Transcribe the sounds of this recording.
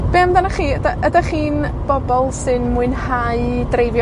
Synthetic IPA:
b̥emdanaχiːədaʔədaχiːn | b̥ɔbɔlˠsɨnmuɨnhaɨdrejvj

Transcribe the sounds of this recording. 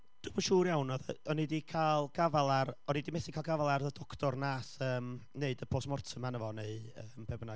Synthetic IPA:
d̥umaʃuːrjawnɔðəɔnidikʰalˠɡ̥avalˠaɾɔnidimɛsikʰalˠɡavalˠarədɔkʰtʰɔrnaːsəːmneɨdəpʰoːsmɔrtʰəmanəvɔneɨəːmpʰɛbna

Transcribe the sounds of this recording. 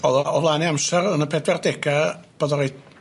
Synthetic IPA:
ɔðɔɔvlˠaːniamsɛrənəpʰɛdwɛrdɛɡab̥ɔðɔɾej

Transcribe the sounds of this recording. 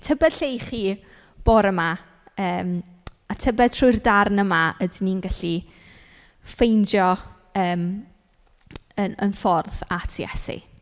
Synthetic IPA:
tʰəbɛd̥ɬejχiː | b̥oːɾəma | əːm | atʰəbɛd̥̚tʰrʊɨrdarnəmaədniːnɡaɬi | fejnd͡ʒjɔ | əːm | ənənfɔrðatʰjɛ̰sḭ

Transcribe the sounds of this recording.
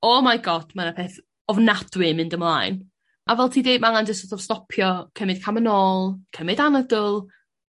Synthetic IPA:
ɔmajɡɔd̥manapʰeːθ | ɔvnad̥wɪmɪndəmlˠa̰jn | ʔavɛlˠtʰiːdejdmaŋandɪsɔtɔv̥stɔpʰjɔkʰəmɪd̥̚kʰamənɔːlˠkʰəmɪdanədʊlˠ

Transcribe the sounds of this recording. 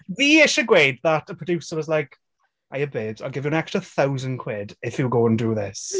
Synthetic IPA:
ðiɪʃəɡweɪd̚ðətəpʰɹ̥ədjʉsəwɒzlaɪk | ʔaɪəbeːbzaɪlˠɡɪvjəə̃nɛkstɹəθawzə̃nkʰw̥ɪdɪfjəɡoʊə̃ndəðɪs

